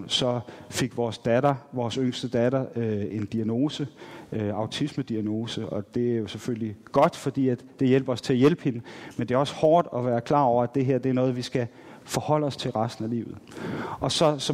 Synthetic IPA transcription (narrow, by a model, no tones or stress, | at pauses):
sɒ̽fe̝ɡ̥ʋɒːsd̥ædɐʋɒːsøŋ̰sd̥əd̥æd̥ɐøe̝nd̥iæno̝ːsəøɑ̈ʊt͡sʰisməd̥iæno̝ːsəɒ̽d̥e̝æɐjo̝sefølliɡ̥ɒ̽d̥fɒ̽d̥ḭːæd̥ːe̝jel̰b̥ɐɒ̽st͡sʰe̝æɐjelb̥əhe̝nəmend̥e̝æɐɒ̽shɒːd̥ɒ̽ʋæːɐkʰl̥ɑ̰̈ːɒʊ̰ɐæd̥e̝ɦeɐ̰d̥e̝æɐnɔ̽ːð̞̩ˠʋisɡ̥æ | fɒ̽hɒ̽l̰əɒ̽st͡sʰe̝lʁɑsd̥n̩ælḭːʊð̩ˠɒ̽sɒ̽sɒ̽